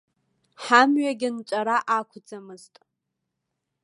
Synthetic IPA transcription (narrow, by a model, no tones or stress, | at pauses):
ħamɥaɡʲɪnt͡ʃʷʼaɾaʔakʷʰʊd͡zamɨztʼ